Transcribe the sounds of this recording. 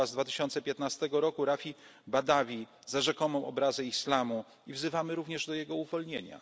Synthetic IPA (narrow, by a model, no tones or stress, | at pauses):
azd̪vat̪ɘɕɔnt̪sɛpʲjɛt̪nast̪ɛɡɔɾɔkuɾafʲibad̪avʲi | zaʐɛkɔnɔ̃w̃ʔɔbɾazɛislamu | ivzɘvamɘɾuvɲɛʐd̪ɔjɛɡɔuvɔlɲeɲa̰